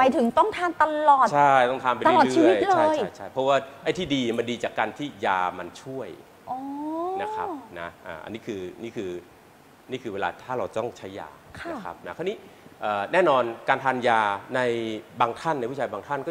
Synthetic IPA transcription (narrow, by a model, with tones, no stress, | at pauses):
pa˧jt̪ʰɯ˨˩˦ŋt̪ɔ˥˩ŋt̪ʰaː˧nt̪a˧lɔː˨˩t͡ɕʰa˥˩jt̪ɔ˥˩ŋt̪ʰaː˧mpa˧a˧lɔː˨˩˦iː˧˩˦jt̪̚lʰɤaː˥˧t͡ɕjʰjt͡ɕʰa˥˩pʰɔ˦˥waː˥˩ʔa˥˩t̪ʰiː˥˩diː˧ma˧ndiː˧t͡ɕaː˨˩kːaː˧nt̪ʰiː˥˩jaː˧ma˧nt͡ɕʰu˥˩əj | ʔɔː˧na˦˥kʰɾa̰˦˥na̰˦˥ʔa̰ː˨˩ʔa̰˧nːiː˦˥kʰɯː˧niː˥˩kʰɯː˧ | niː˥˩kʰɯː˧weː˧la̰ː˧t̪ʰaː˥˩ɾa˧wt̪ɔ˥˩ŋt͡ɕʰa˦˥jːa̰ː˧ | kʰan˦˧˥kʰa̰˦˥p̚na˦˥kʰa˧˥˩niː˦˥ʔɤː˨˩nɛː˥˩nɔː˧nkaː˧nt̪ʰaː˧njaː˧na˧jbaː˧ŋt̪ʰa˥˩na˧jwu˥˩aː˧baː˧ŋt̪ʰa˥˩nkɔː˥˩